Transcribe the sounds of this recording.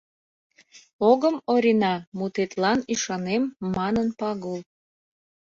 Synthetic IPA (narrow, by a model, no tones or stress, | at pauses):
oɣəmoɾʲinɑmut̪et̪lɑniʃɑnemːɑnənpɑɣul